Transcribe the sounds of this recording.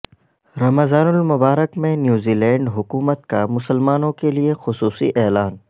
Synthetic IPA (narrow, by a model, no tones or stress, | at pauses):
ɾɐməzaːnʊlmʊbaːɾəkmẽnjuːziːlɛ̃ːɳɖɦʊkuːmət̪kamʊsəlmaːnõkeliexʊsuːsḭʔɛːlaːn